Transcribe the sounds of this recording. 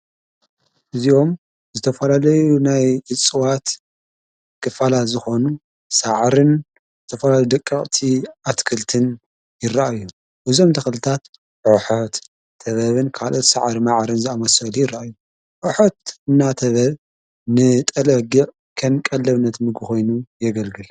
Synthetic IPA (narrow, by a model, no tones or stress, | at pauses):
ʔɨzio̞m | zɨt̪ʰɐfɐlalɐjunajʕɨt͡sʼɨwat̪ | kɨfalazɨxo̞nu | saʕɾɨn | zɨt̪ʰɐfɐlaljud̪ɐkʼːɐχʼt̪ʰiat̪kʰɨlt̪ʰɨn | jɪrːaʔajːu | ʔɨzo̞mt̪ʰɐxlɨt̪ʰat̪ | ʕʊħot̪ʰː | ɐβɐβɨnkʰalʔo̞t̪saʕɾimaʕɾɨnzɨamɐsɐlujɪraʔajːu | ʕʊħot̪ɨnːat̪ʰɐβɐβ | nɨt̪ʼɐlɐɡiʕ | kʰɐnkʼɐlːɐβnːɐt̪mɨɡɨxo̞jnujɛɡɐlɡɨl